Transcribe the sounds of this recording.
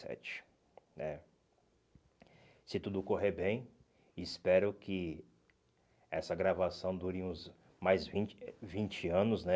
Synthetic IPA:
ɛ̰t͡ʃɪ̥ | nɛ | sɪt̪ud̪ʊkoɦeɾbẽj̃ | spɛɾʊkʰɪ | ɛsɐɡɾavasɐ̃w̃d̪uɾɪũz | majzvĩt͡ʃvĩt͡ʃɪɐ̃nʊznɛ

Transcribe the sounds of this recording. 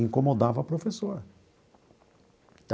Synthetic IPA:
ĩkõmod̪avɐpɾofesoɾ | t̪

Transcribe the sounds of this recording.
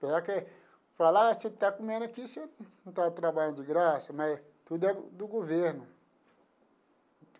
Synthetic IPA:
peɡake | falaset̪akũmẽnɐkisẽ | t̪at̪ɾabaʎʊd͡ʒɪɡɾasɐmɐj | t̪ud̪ʊɛd̪ʊɡoveɾnʊ

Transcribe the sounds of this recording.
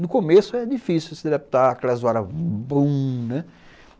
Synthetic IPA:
nʊkõmesʊɛd͡ʒifisɪʊsɪd̪ed̪ap̚t̪aɾakɛlɐzuaɾɐbũnɛ

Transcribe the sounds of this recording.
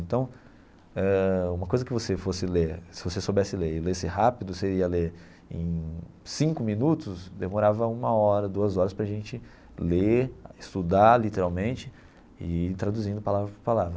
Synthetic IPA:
ẽnt̪ɐ̃w̃ | ɛũmɐkojzɐkɪvosefosɪleɾsɪvosesobɛsɪleɾɪlesɪɦapid̪ʊseɾiɐleɾ | ḛ̃j̃sĩŋkʊmĩnut̪ʊsd̪emoɾavɐũmɐɔɾɐd̪uɐzɔɾɐspɾɐʒẽnt͡ʃɪ | leɪst̪ud̪alit̪eɾawmẽnt͡ʃɪ | ɪt̪ɾad̪uzĩnd̪ʊpalavpalavɾɐ

